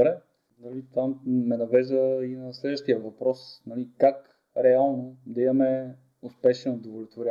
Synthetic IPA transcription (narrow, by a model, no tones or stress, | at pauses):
bɾɛ | nɐlit̪vamːɛnɐvɛzvəinɐslɛd̪vəʃt̪ijəvɐpɾɔsnɐlikak | ɾɛalˠnod̪ɐimɐmɛ | ʊspɛʃɛnod̪ovolʲɪt̪voɾʲa